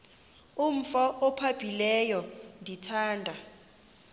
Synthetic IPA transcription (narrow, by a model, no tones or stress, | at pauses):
um̩fɔʔɔpʰab̥ʱilɛjɔndʱitʰaːndʱa